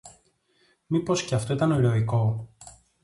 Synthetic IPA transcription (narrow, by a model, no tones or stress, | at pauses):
mipo̞sce̞ɐft̪o̞it̪ɐnoɾo̞iko̞